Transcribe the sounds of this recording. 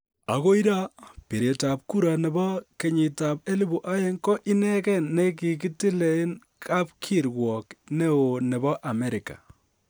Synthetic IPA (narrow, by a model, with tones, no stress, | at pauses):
a̰˨ɣo˦i˦ɾa˦pe˨ɾe˨ta˨p̚ku˦ɾa˨nɛ˨bɔ˦ke˨ɲi˨ta˨pe˦li˦bu˨ʔa˦jɛ˦ŋkɔ˦ʔi˦nɛ˦kɛ˦nːe˦ki˨ki˦ti˦le˨˦i˦n | kʰa˦p̚kʰi˦˨ɾɡwɔ˨knɛ˦o˨nɛ˨bɔ˦ʔa˨mɛ˦ɾɪ˨ka̰˨